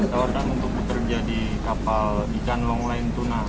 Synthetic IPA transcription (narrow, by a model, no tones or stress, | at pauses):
t̪awarnanunt̪ʊk̚bət̪ərd͡ʒadi | kapaldikanlɔŋlaɪnt̪una